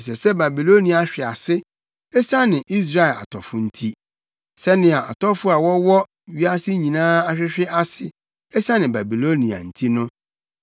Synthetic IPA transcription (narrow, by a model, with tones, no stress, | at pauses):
s̬ɛ˨sɛ˦ba˨bi˨lo˦nĩ˨a˨˦ɕᶣɪ˨a˨sɪ˦ | ɛ˦sa˦nɪ̃˨ʔi˦s̬ɾa˦ɛ˨la̰˨tʰɔ˨fʊ˨˦n̩˦tʰi˦ | sɛ˦nɪ̃˨a˨ʔa̰˨tɔ˦fʊ˦a˨wɔ˦wɔ˦ | ɥi˦a˦sɪ˦ɲĩ˨nãː˦a˦ɕᶣɪ˦ɕᶣɪ˦ʔa˦sɪ˨ | ɛ˦sa˦nɪ̃˨ba˨bi˨lo˦nĩ˨a̰˨n̩˨tʰi˦nʊ̃˦